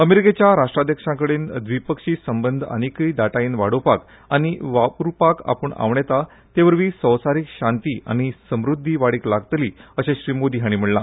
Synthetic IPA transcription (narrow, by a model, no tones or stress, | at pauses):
əmeɾiket͡ɕjaɾaʂʈɾad̪ʱjəkʂãkəɽeːnd̪ʋipəkʂiːsəmbənd̪ʱə̰nikəjd̪aʈaiːnʋaɽopak | aɽ̃iʋapɾupaka̰pəɳa̰ʋɳet̪a | t̪eʋəɾʋiːsə̃wsaɾikɕãnt̪iːa̰ɽ̃isəmɾud̪ʱːiʋaɽiːklaɡt̪liːəɕẽɕɾimod̪iːɦaɽ̃im̤əɽla